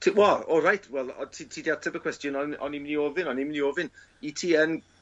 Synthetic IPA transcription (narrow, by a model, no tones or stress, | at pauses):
tʰiwɛlˠɔlˠrajtʰwɛlˠɔ̰tʰitʰiːdiatʰəbəkwɛstjɔnɔnɔ̰nimɪnioːvɪnɔnimnioːvɪn | itʰiːən